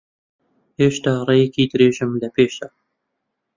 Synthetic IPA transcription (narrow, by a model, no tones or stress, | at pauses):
heːʃt̪aːrˤejɛkʰiːd̪ɨɾeːʒɪmlɐpeːʃd̪a